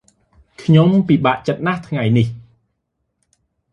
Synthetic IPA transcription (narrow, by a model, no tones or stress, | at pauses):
kʰɲompiːɓaːʔt͡ɕət̪̚naht̪ʰŋajnih